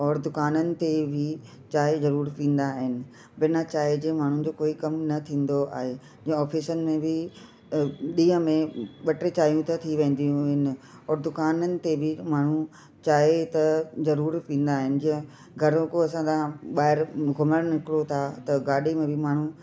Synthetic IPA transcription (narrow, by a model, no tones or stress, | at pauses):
ɔːɾd̪ʊkaːnənɪ̆t̪ebʱɪ | t͡ɕaːɦezɐɾuːɾpĩːn̆d̪aɦɪnɪ̆ | bɪnat͡ɕaːɦed͡ʑeːmaːɳ̤ũ̆d͡ʑoːkoːikɐmnɐt̪ʰĩːn̆d̪oa̰ːɦe | d͡ʑĩːə̃ɔːfʰisənɪ̆mẽbʱɪ | ɗĩːə̃mẽɓɐʈɾet͡ɕaːɦijũt̪ɐt̪ʰiʋẽːn̆d̪ijũɦɪnɪ̆ɔːɾd̪ʊkaːnənɪ̆t̪ebʱɪmaːɳ̤ũ | t͡ɕaːɦet̪ɐzɐɾuːɾpĩːn̆d̪aːɦɪnɪ̆d͡ʑɪ̃ɦə̃ | ɡʱɐɾõkoɐsãd̪ãɓaːɦɪɾɡʱʊməɾnɪkɪɽot̪ʰat̪ɐɡaːɗemẽbʱɪmaːɳ̤ũ